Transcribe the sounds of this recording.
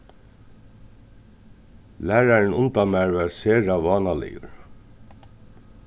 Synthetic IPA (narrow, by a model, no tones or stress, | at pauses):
læːɹaɹnʊnt̪amæɹʋæɹseːɹaʋɑːnalɪ̰ʊ̰ɹ